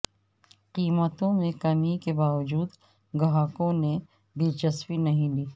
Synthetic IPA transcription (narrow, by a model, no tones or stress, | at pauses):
qiːmət̪õmẽkɐmikebaːʋəd͡ʒuːd̪ | ɡɐɦaːkõne | beːt͡ʃəsfinɐɦĩliː